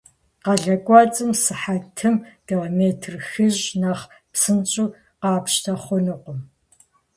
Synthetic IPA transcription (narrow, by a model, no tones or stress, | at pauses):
qɑɮɐkʷʼɑt͡sʼɨmsɨħatʰɨmdiomeːtʰrxɨʑnaːχ | psɨnt͡ʃʼuː | qɑːpʃtʰɐχʷɔnɨqʷʊm